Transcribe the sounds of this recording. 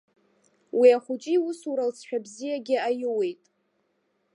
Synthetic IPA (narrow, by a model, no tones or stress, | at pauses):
wiaχʷut͡ʃʼiwʊsuɾalt͡sʰʃᶣabzijaɡʲɪajɪwejtʼ